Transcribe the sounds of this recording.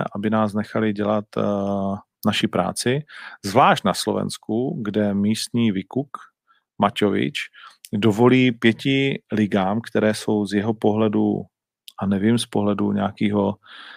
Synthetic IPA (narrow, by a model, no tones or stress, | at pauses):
ʔabɪnaːsnɛxalɪɟɛlat̪ | naʃɪpɾa̰ːt͡sɪzvlaːʃt̪naslo̰vɛ̰nskuɡdɛmiːst̪ɲiːvɪkuk | macovɪ̰t͡ʃdovo̞liːpjɛcɪlɪɡaːmkt̪ɛɾɛːso̞wzjɛɦopo̞ɦlɛdṵ | ʔanɛvɪmspoɦlɛduɲɛakiːɦo̞